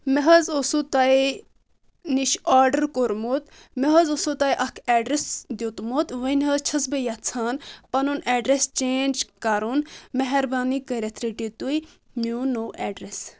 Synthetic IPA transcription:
meɦɐzosut̪ɐi | niʃaːɾɖəɾkoɾmot̪ | meɦɐzosot̪ajʔɐkʰɛːɖɾesd̪jot̪mot̪ʋɐnʲɦɐt͡ʃʰɐsbɐjɐtt͡sʰaːnpɐnunɛːɖɾest͡ʃeːnd͡ʒkɐɾunmeɦɐɾbaːnikəɾʲet̪ʰɾiʈit̪ui | muːnoːʔɛːɖɾes

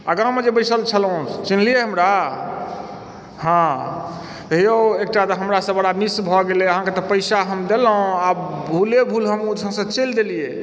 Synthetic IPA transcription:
əɡãmed͡ʒebəjsəlt͡ʃʰəlɦũt͡ʃinlijeɦəmɾa | ɦã | t̪ɦioek̚ʈat̪ɔɦəmɾasə̃bəɽamisbʱɔɡeleəɦãket̪ɔpəjsaɦəmd̪elõabʱulebʱulɦəmud͡ʒʰə̃sə̃t͡ʃeld̪elije

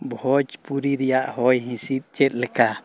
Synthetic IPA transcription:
bɔhɔt͡ʃpuɾiɾiaʔhɔjɦĩsit̪̚t͡ʃɛt̪̚lɛka

